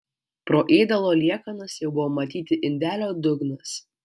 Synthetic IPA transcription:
pɾoːʔeːd̪ɐlˠoːlʲiɛkɐnɐsjɛʊbʊʋoːmɐt̪ʲiːt̪ʲɪʔɪnʲd̪ʲæːlʲoːd̪ʊɡnɐs

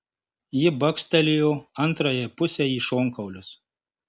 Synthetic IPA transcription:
jɪbɐksʲt̪ʲɛlʲɪjoːɐnˑt̪ɾoːjɛpʊsʲɛiːʃoːŋkɐʊlʲʊs

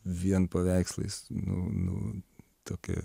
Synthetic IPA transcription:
ʋʲiɛnpɐʋʲæɪkslˠɐ̰ɪsnʊ̰nʊ̰ | t̪oːkʲɛ̰

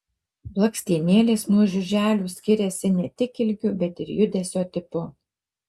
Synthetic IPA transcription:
blˠɐksʲt̪ʲiɛnʲeːlʲeːsnuɔʒʲʊʒʲæːlʲuːsʲkʲɪɾʲɛsʲɪnʲɛt̪ʲɪkɪlʲɡʲʊbʲɛt̪ɪɾjʊd̪ʲɛsʲoːt̪ʲɪpʊ

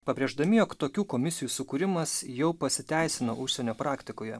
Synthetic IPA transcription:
pɐbʲɾʲeːʒd̪ɐmʲɪjoːkt̪oːkʲuːkoːmʲɪsʲɪjuːsʊkʊɾʲɪmɐsjɛʊpɐsʲɪt̪ʲæˑɪsʲɪno̰ʔʊʃʲsʲɛnʲoːpɾɑːkt̪ʲɪkoːjɛ

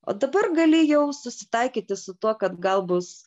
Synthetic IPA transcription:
o̰ːd̪ɐbɐrɡɐlʲɪjɛʊsʊsʲɪ̥t̪ɐɪkʲiːt̪ʲɪsʊt̪uɔkɐt̪ɡɐlˠbʊs

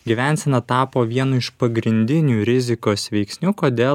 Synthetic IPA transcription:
ɡʲiʋʲɛˑnʲsʲɛnɐt̪ɑːpoːʋʲiɛnʊɪʃpɐɡɾʲɪnʲd̪ʲɪnʲuːɾʲɪzʲɪkoːsʋʲɛɪksʲnʲukoːd̪ʲeːl

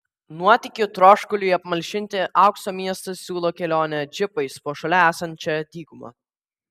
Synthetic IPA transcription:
nuɔt̪ʲɪkʲʊt̪ɾoːʃkʊlʲʊiɐpmɐlʲʃʲɪnʲt̪ʲɪʔɑˑʊksoːmʲiɛst̪ɐssʲuːlˠoːkʲɛlʲoːnʲɛd͡ʒʲɪpɐɪspoːʃɐlʲɛæːsɐnʲt͡ʃʲɛd̪ʲiːɡʊmɐ̰

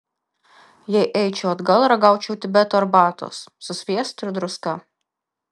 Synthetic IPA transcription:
jɛɪʔɛɪt͡ʃʲoːɐd̪ɡɐlˠɾɐɡɑˑʊt͡ʃʲɛʊt̪ʲɪbʲɛt̪oːɐɾbɑːt̪o̰ːsːʊsʲʋʲiɛst̪ʊɾd̪ɾʊskɐ

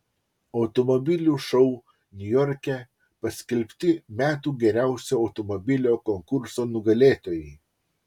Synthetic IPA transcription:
ɐʊt̪ɔmɔbʲɪlʲuːʃɔʊ | nʲʊjɔɾʲkʲɛ | pɐsʲkʲɛlʲpʲt̪ʲɪmʲæːt̪uːɡʲɛɾʲæˑʊsʲoːɐʊt̪ɔmɔbʲɪlʲoːkɔŋkʊɾsoːnʊɡɐlʲeːt̪oːjɛɪ

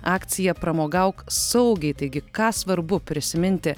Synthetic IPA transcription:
ɑːkt̪sʲɪjɛpɾɐmoːɡɐʊksɐʊɡʲɛɪt̪ɐɪɡʲɪkɑːsʋɐɾbʊpʲɾʲɪsʲɪmʲɪnʲt̪ʲɪ

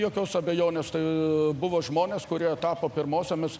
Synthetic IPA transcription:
joːkʲoːsɐbʲɛjoːnʲeːst̪ɐɪbʊʋoːʒmoːnʲeːskʊɾʲiɛt̪ɑːpoːpʲɪɾmoːsʲomʲɪs

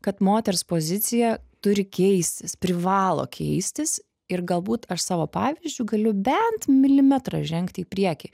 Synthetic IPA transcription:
kɐt̪moːt̪ʲɛɾspoːzʲɪt̪sʲɪjɛt̪ʊɾʲɪkʲɛɪsʲt̪ʲɪspʲɾʲɪʋɑːlˠo̰ːkʲʰɛɪsʲt̪ʲɪs | ɪɾɡɐlˠbuːt̪ɐʃsɑːʋoːpɑːʋʲizʲd͡ʒʲʊːɡɐlʲʊbʲɛnt̪mʲɪlʲɪmʲɛt̪ɾɑʒʲɛŋkt̪ʲiːpʲɾʲiɛkʲɪ

